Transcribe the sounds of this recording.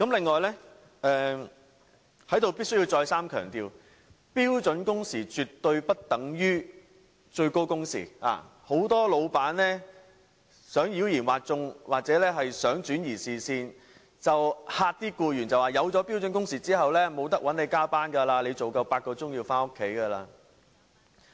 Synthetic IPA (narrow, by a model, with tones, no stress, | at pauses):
kɐ˨˥mlɪ˨ŋːɔː˨˩jlɛ˥ | ʔɛː˨˧ | hɐ˨˥jt̪o˨wpiː˥t̚sɵ˥jiː˧wt͡sɔː˧jsaː˥mkʰœː˨˩ŋt̪iː˨˧w | piː˥wt͡sɵ˨˥nkʊ˥ŋsiː˨˩t͡ʃy˨tt̪ːɵ˧ɥpɐ˥t̚t̪ɐ˨˥ŋjyː˥ | t͡ʃɵ˧ɥko˥wkʊ˥ŋsḭː˨˩a̰ː˨ho˨˥wt̪ɔː˥lo˨˧wpaː˨˥nlɛː˥ | sœː˨˥ŋjiː˨˥wjiː˨˩nwaː˨t̚t͡sʊ˧ŋwaː˨k̚t͡sɛː˨˥lɛː˥ɦɐ˨jsœː˨˥ŋt͡ʃyː˨˥njiː˨˩siː˨˩siː˧n | t͡sɐ˨whaː˧t̚t̪iː˥kuː˧jyː˨˩nt͡sɐ˨waː˨˩jɐ˨˧wt͡ʃɔː˨˥pi˥wt͡sɵ˨˥nkʊ˥ŋsiː˨˩t͡siː˥hɐ˨wlɛː˥mo˨˧wt̪ɐ˥k̚wɐ˨˥ne˨˧jkaː˥paː˥nkaː˧laː˧le˨˧t͡so˨wkɐ˧wpaː˧t̚kɔː˧t͡sʊ˥ŋjiː˧wfaː˥nʊ˥kʰːe˨˥jkɐː˧laː˧